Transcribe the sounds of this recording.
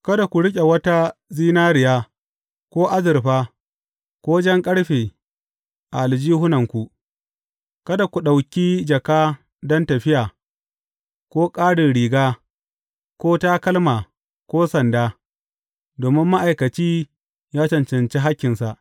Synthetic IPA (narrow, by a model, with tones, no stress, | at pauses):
kɐ˦da˨kʷu˨ɽɪ˦kʲʼe˨wɐ˦ta˦ziː˦naː˦ɾɪ˨jaː˦ | kʷoː˦ʔa˦zɪ˨ɾɸaː˦ | kʷoː˦d͡ʒɐ˦ŋkʼɐ˦ɽɸeː˨ | ʔa˨ʔa˨ld͡ʒiː˦hʊ˦nɐ˨ŋkʷu˨ | kɐ˦da˨kʷu˨ɗa˨wkʲiː˦d͡ʒɐ˨kaː˦ | dɔ˦ntɐ˨ɸɪ˦jaː˨ | kʷoː˦kʼaː˦ɽɪ˨nɽiː˨ɡaː˦ | kʷoː˦taː˦kɐ˦lmaː˨ | kʷoː˦sɐ˨ndaː˦ | doː˨mɪ˦mːa˦ʔa˨jkɐ˨t͡ʃiː˦ | jaː˦t͡ʃɐ˨nt͡ʃɐ˨nt͡ʃe˦ɦa˦kʲːɪ˨nsa˨ʔ